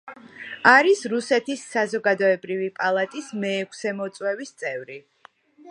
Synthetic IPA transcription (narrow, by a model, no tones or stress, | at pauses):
aɾisɾusɛt̪ʰisːazɔɡad̪ɔɛbɾivipʼalˠat̪ʼismɛːkʷʰsɛmɔt̪sʼwɛvist̪sʼɛvɾi